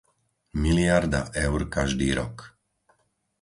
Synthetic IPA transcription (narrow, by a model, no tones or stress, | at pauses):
miliaɾd̪aʔɛʊɾkaʒd̪iːɾɔ̰k